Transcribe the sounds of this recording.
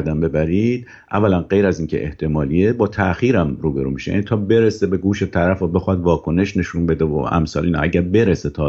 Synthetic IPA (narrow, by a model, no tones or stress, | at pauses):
ɾd̪æmbe̞bæɾiːd̪̚ | ʔæ̰vːælænɢe̞jɾæziːncʰe̞̰ʔḛht̪ʰe̞mɒːliebɒːt̪ʰæʔxiːɾæmɾuːbe̞ɾṵːmiːʃejæ̰nit̪ʰɒːbe̞ɾesebe̞ɡuːʃe̞t̪ʰæɾæfobe̞xɒd̪vɒːkʰo̞ne̞ʃne̞ʃunbe̞d̪evo̰ʔæ̰msɒ̰ːliːnɒ̰ʔæɟæɾbe̞ɾeset̪ʰɒː